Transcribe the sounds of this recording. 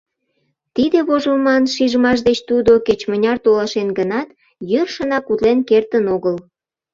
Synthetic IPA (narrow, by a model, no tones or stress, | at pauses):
t̪id̪eβoʒəlmɑnʃiʒəmɑʃ̬d̪et͡ɕt̪ud̪oket͡ɕmənʲɑrt̪olɑʃenɡənɑt̪ | jørʃənɑkut̪lenkert̪ənoɣəl